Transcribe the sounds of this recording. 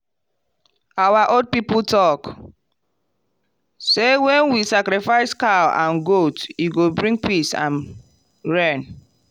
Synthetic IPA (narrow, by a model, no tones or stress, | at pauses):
awaʔod̚piputʰɔk | sewɛ̃nwisakɾifaɪskaã̰nɡotjuɡobɹĩŋɡ̚pisã̰n | ɹɛ̃n